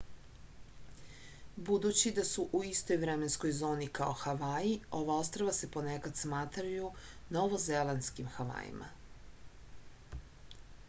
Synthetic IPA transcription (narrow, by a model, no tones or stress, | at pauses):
bud̪ut͡ɕid̪asuʔuist̪o̞jvɾemensko̞jzo̞ːnikao̞xaʋaːjio̞ʋao̞st̪ɾoʋasepo̞nekad̪smaːt̪ɾajunoʋozelanskimxaʋa̰ːjḭmʔa̰